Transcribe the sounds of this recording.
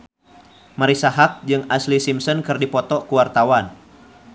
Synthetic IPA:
maɾisaɦak̚d͡ʒɨŋaslisimsɔnkɨrdipɔt̪ɔkuwart̪awan

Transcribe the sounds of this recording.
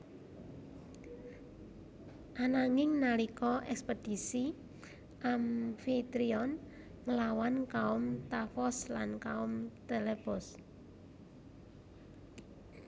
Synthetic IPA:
ʔanaŋɪŋnalikɔʔɛkspəd̥i̤si | ʔamfit̪ɾiɔn | ŋəlawankaʊmt̪afɔslankaʊmt̪eleb̥ɔs

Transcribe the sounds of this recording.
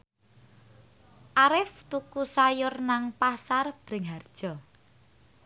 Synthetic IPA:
ʔaɾɪft̪ukusajʊrnaŋpasarb̥ɾɪ̤ŋɦard̥ʒ̥ɔ̤

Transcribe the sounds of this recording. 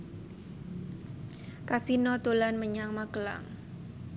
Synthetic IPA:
kasinɔt̪olanməɲaŋmakəla̰ŋ

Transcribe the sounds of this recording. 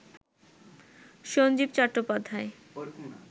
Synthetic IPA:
ʃond͡ʑibt͡ɕɔʈːopad̪ʱːae

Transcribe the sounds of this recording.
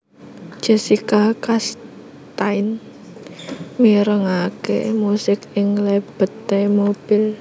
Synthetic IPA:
ʒ̥ə̤sikakas | t̪aɪn | miɾəŋakḛmusɪkɪŋleb̥ə̤t̪emob̥ɪl

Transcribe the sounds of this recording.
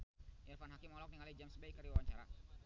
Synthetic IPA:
ʔirfanɦakɪmɔlɔk̚niŋalid͡ʒamsbajkərɾiwawaɲt͡ʃaɾa̰

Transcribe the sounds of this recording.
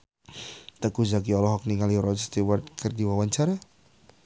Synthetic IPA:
t̪əkuzakiɔlɔɦɔk̚niŋaliɾɔt͡ʃst̪iward̪̚kərdiwawant͡ʃaɾɛ

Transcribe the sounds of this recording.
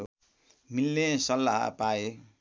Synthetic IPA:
milːesʌlːa̰ɦpae

